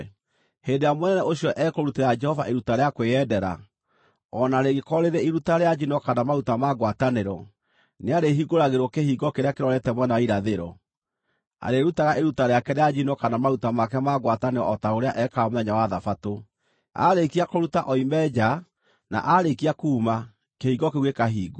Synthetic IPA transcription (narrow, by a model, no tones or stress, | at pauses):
hendejamwɛnɛnɛoɕjɔʔɛkoɾuteɾad͡ʒɛhɔvaʔeɾutaɾeakweɛdɛɾa̰ | ɔnaːɾeɣekɔɾeɾeiɾutaɾead͡ʒinɔkanamaɾutamaɡwataneɾɔ | neaɾeɦiɡoɾaɣeɾwɔkehiɡɔkeɾeakeɾɔɾɛtɛmwɛnaaiɾaðeɾɔ̰ | a̰ɾeɾutaɣaʔeɾutaɾeakɛɾead͡ʒinɔkanamaɾutamak̬ɛmaɣwataneɾɔ̰ɔtaoɾeaʔɛkamoðɛɲawaðafato | a̰ɾekiakoɾutaʔɔimɛd͡ʒa | na̰ʔaɾekiakuːma | kehiɡɔkeɣwekaɦiːɡo